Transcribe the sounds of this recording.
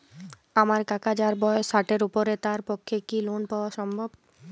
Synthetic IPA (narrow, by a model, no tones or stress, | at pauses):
amaɾkakad͡ʑaɾbɔesaʈeɾupoɾet̪aɾpokʰːekilonpaoaʃɔmbʱob